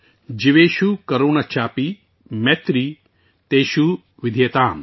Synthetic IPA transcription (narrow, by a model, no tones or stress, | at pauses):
d͡ʒiʋeːʃukɐɾoːnɐt͡ʃʰaːpi | met̪ɾi | t̪eːʃu | ʋid̪ʱjɐt̪aːm